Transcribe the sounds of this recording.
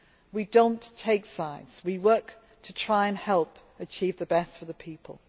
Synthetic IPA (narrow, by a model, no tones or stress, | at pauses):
widõʊ̃ntʰeɪksaɪdz̥wiwɜˑk | tʰətʰɹ̥aɪə̃nhɛlˠp | ət͡ʃʰiːvðəbɛstfəðəpʰiˑpʰə̰lˠ